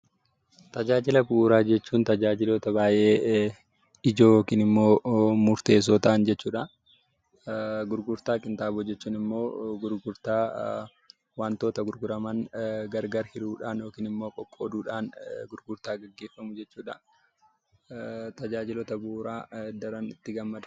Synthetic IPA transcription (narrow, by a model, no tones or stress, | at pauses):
t̪ɐd͡ʒaːd͡ʒɪlɐbʊʔuːɾaːd͡ʒɛt͡ʃːuːnt̪ɐd͡ʒaːd͡ʒɪloːt̪ɐbaːjʔeː | ɪd͡ʒoːjoːkiːnɪmːo̞ːmʊɾt̪e̞ːs̬oːt̪ɐʔnd͡ʒɛt͡ʃːuːᶑɐ | ɡʊɾɡʊɾt̪aːkʼɪnt̪aːboːd͡ʒɛt͡ʃːuːnɪmːo̞ːɡʊɾɡʊɾt̪aː | waːnt̪o̞ːt̪ɐɡʊɾɡʊɾɐmɐnɡɐɾɡɐɾhɪɾuːᶑaːnjo̞ːkiːnɪmːoːkʼɔkʼːoːd̪uːᶑaːnɡʊɾɡʊɾt̪aːɡɐɡːe̞ːfːɐmʊd͡ʒɛt͡ʃːuːᶑɐ | t̪ɐd͡ʒaːd͡ʒɪloːt̪ɐbʊʔuːɾaːd̪ɐɾɐnɪt̪ːɪɡɐmːɐd̪ɐ̥